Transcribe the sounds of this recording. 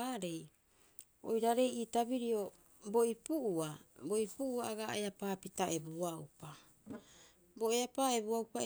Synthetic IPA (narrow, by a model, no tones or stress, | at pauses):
aːɾe̞j | o̰jɾaɾe̞jiːtabiɾio̞ | bo̞ipuʔuabo̞ipuʔuaːɡa̰eapaːpitaʔe̞buaupa | bo̞eapaːe̞buawpa